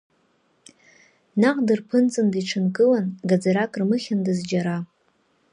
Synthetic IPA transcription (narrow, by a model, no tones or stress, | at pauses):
naqʼdɨrpʰɨnt͡sʼɨndiʈ͡ʂʰɨnkʼɨlanɡad͡zaɾakʼrmɨχʲandɨzd͡ʒaɾa